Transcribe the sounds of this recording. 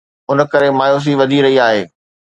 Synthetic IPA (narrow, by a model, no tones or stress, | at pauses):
ʊnkɐɾemaːjoːs̬iʋɐd̪ʱiɾɐɦiaːɦeː